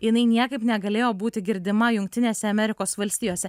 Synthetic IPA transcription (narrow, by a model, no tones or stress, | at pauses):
jɪnɐɪnʲiɛkɐɪpnʲɛɡɐlʲeːjoːbuːt̪ʲɪɡʲɪɾʲd̪ʲɪmɐjʊŋkt̪ʲɪnʲeːsʲɛɐmʲɛɾʲɪkoːsʋɐlʲsʲt̪ʲiːjoːsʲɛ